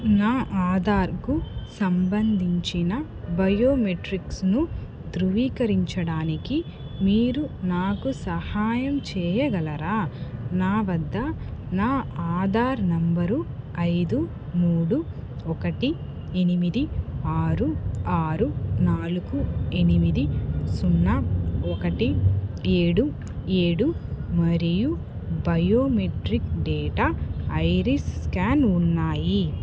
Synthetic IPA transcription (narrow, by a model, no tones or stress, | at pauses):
naːʔaːd̪ʱaːɾkusɐmbɐnd̪ʱiɲt͡ʃinɐ | bɐjoːmeʈɾiksnu | d̪ɾuʋiːkɐɾiɲt͡ʃɐɽaːniki | miːɾunaːkusɐhaːjɐmt͡ʃɛːjɐɡɐlɐɾaːnaːʋɐd̪ːɐnaːaːd̪ʱaːɾnɐmbɐɾuɐjd̪u | muːɽu | ɔkɐʈi | enimid̪iaːɾuaːɾunaːluɡuenimid̪isunːɐɔkɐʈieːɽu | eːɽumɐɾiju | bɐjoːmeʈɾikɖɛːʈaɐjɾisskaːnunːaːji